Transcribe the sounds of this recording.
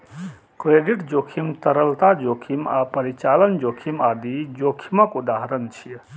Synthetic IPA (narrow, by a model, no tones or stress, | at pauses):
kɾeɖiʈd͡ʒokʰimt̪əɾəlt̪ad͡ʒokʰima̰pəɾit͡ʃalənd͡ʒokʰimad̪id͡ʒokʰiməkud̪aɦɾənt͡ʃʰij